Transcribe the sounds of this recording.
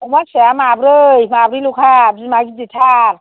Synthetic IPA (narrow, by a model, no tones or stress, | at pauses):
umasejamabɾɯjmabɾilukʰabzimaɡiditʰaɾ